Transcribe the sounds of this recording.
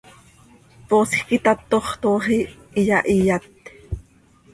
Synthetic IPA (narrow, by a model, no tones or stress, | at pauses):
p̪oːsxkit̪ɑt̪ːoχt̪oːχi | ijɑʔijat̪